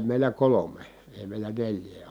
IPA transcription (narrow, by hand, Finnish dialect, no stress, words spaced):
meˑilæ kolome eˑi̯ meˑilˑæ nelʲjˑeː